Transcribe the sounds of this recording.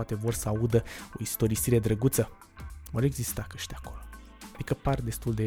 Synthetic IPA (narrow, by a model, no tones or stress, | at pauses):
at̪e̞vo̞rsəaud̪əo̞̰ist̪o̞ɾisiɾe̞d̪ɾəɡut̪sə | vo̞ɾe̞ɡzist̪akəʃt̪ʲako̞lo̞ | ad̪ikəpard̪e̞st̪uld̪e̞